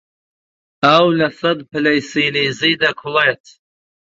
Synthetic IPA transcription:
awlɐsɐd̪̚pɨlɐjsiːliːzijd̪ɐkʰʊlet̪ʰ

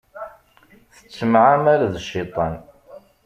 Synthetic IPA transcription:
θə̥t͡sːəmʕamaɾaðʃːɪt̪ˤɑn

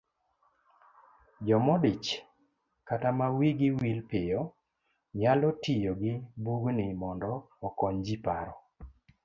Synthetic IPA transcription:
d͡ʒɔmɔdɪt͡ʃ | katamawiɡɪwilpɪjɔ | ɲalɔtijoɡɪbuɡnɪmɔndɔː | kɔɲd͡ʒipaɾɔ

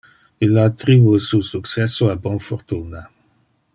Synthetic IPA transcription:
ilat̪ʁivususuksɛsoabɔ̃fɔʁt̪una

